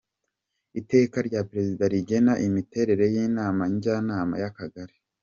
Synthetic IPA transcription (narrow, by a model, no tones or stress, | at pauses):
ite̞ːkaɾɟapɾe̞zidaɾiɟe̞naʔimite̞ɾe̞ɾe̞jiːnaːmaɲɟanaːma̰jakaɡaɾi̥